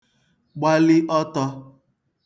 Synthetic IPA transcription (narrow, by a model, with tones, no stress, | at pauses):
ɡ͡ba˦lɪ˦ʔɔ˦tɔ˦